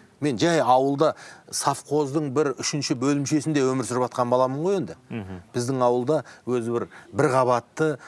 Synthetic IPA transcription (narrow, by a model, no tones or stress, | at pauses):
me̞nʒæjɑwəlˠd̪ɑsɑfqʰo̞zd̪əɴbɪɾʏʃɪnʃɪbɵlɪmʃe̞sɪnd̪e̞wɵmɪɾsʏɾɪpɑt̪qɑnbɑlˠɑməɴʁo̞je̞nd̪ɪb̥ɪzd̪ɪŋɑwəlˠd̪ɑwɵzɪbɪɾbɪɾʁɑβɑt̪ːə